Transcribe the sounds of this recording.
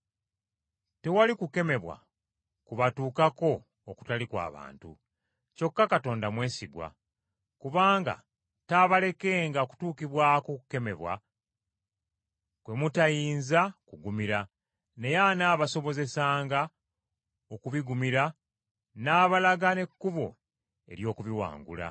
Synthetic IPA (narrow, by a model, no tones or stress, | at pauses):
te̞walikuke̞me̞βwa̰ | kuβatuːkako̞ː | ku̥talikwa̰ːβa̰ːntṵ | co̞kːakato̞ːndamwe̞ːsiɡwa̰ | kuβaːŋɡa̰ | taβale̞ke̞ːŋɡaku̥tuːkiβwaːkokuke̞me̞̰βwa̰ | kwe̞mutajiːnzakuɡumiɾa | ne̞janaːβaso̞βo̞ze̞saːŋɡa | okuβiɡumiɾa | naːβalaɡane̞kːuβo̞ | e̞̰ɾjo̞ːkuβiwa̰ːŋɡṵla̰